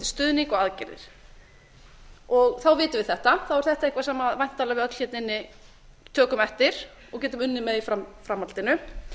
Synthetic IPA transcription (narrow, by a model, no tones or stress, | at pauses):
st̪ʏːðniŋkɔɣaðcɛ̰ɾðɪ̰ɾ̥ | ɔɣθawvɪːt̪ʏvɪðθɛht̪aθawvɛɾ̥θɛht̪aehkvasaːmavajn̥t̪ʰːaːlavɪðœt̪l̥çɛt̪nɪnːɪ | t̪ʰœːkʏmɛft̪ɪɾ̥ | ɔɣcɛːt̪ʏmʏnːɪmɛðifɾamfɾamːalt̪ɪnʏ